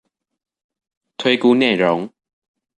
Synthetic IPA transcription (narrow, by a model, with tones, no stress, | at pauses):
t̪ʰwe˦ɪku˦ne˥˨ɪɻo˨˦ŋ